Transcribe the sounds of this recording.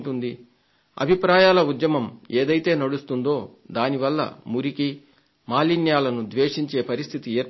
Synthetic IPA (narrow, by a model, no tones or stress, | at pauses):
ʈund̪i | ɐ̰bʱipɾaːjaːlɐud̪jɐmɐmeːd̪ɐjt̪e̞ːnɐɽust̪und̪o̞ːd̪aːniʋɐlːɐ̰muɾiki | maːlinjaːlɐnud̪ʋeːʂiɲt͡ʃe̞ːpɐɾist̪ʰit̪ieːɾ